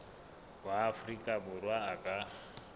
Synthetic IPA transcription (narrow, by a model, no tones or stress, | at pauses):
bwaːfrikʼaburwaːkʼa